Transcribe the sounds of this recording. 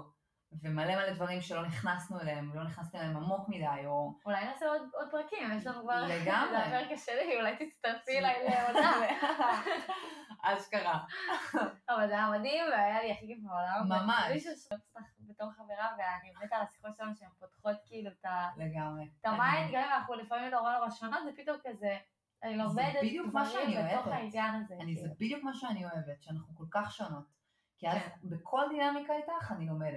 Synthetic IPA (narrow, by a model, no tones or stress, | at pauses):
vemalemaled̪vaʁimʃelo̞niχnasnueleemlo̞niχnast̪emeeemamo̞kmidajoulajniaseod̪od̪̚pʁakimjeʃlanuɡvaʁleɡamzaveʁkaʃeliiulajt̪it͡st̪alfilailelamea | azkaʁa | avalzeajamadimveajaliaχiɡifaolammamaʃiʃuʃst̪aχbetoχχaveʁaveanibemetaasi̥χot̪ʃelamʃeempotχo̞t̪kiilutaleɡamʁet̪amainɡamimanaχnulefamimloʁonoʁaʃonotzepit̪omkaze | anilomeddjukmaʃeanieeoχtainjanazeanizebid̪ijukmaʃeanio̞evetʃeanaχnuko̞lkaχʃono̞t | kiabekʰo̞ld̪inamikaitaχanilo̞medet